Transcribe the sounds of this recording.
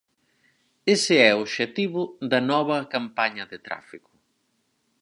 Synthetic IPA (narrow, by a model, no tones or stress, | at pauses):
esɪɛoβʃet̪iβʊðɐnɔβɐkampaɲɐðɪt̪ɾa̰fikʊ̥